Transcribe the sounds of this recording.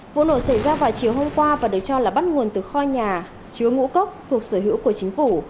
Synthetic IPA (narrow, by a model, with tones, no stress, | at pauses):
vṵ˧˥no̰˧˩sa˧˩jzaː˧vaː˨˩wt͡ɕi˨˩əwɦo˧mkwaː˧vaː˨˩ɗɨ˨˩ək̚t͡ɕɔ˧laː˨˩ɓt̚ŋu˨˩ənt̪ɨ˨˩xɔ˧ɲaː˨˩ | t͡ɕi˨˦əwŋṵ˧˥kə˦˥wk͡p̚t̪ʰu˨˩ək̚səː˧˩ɦḭ˧˥wku˧˩ət͡ɕï˨˦ŋ̟fu˧˩